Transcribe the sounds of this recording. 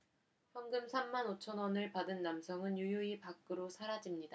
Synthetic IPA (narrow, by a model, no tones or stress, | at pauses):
ɸjʌnɡɯmsʰamːanot͡ɕʰʌnwʌnɯɭpadɯnːamsʰʌŋɯnjujoipak͈ɯɾosʰaɾad͡ʑimɲida